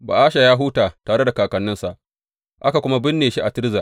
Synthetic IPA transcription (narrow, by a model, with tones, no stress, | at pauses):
ba̰ː˨ʔaː˦ʃa˨jaː˦ɦuː˦taː˨taː˨ɽe˦da˨kaː˨kɐ˨nːɪ˦nsa˨ʔ | ʔa˦ka˨kʷʊ˦ma˦bɪ˦nːeː˨ʃi˦ʔa˨tɪ˦ɾza˨